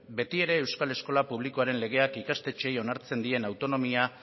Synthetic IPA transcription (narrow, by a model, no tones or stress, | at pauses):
be̞t̪ie̞ɾe̞ːwskale̞sko̞lapuβ̞likoaɾe̞nle̞ɣ̞e̞akikast̪e̞t͡ʃe̞jo̞naɾt͡se̞nd̪ie̞nawt̪o̞no̞mia